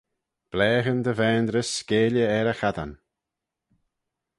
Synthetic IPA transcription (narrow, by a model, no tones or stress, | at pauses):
b̥lɛːɣənd̪əvɛːnd̪ɾəskeːləɛɾəxad̪an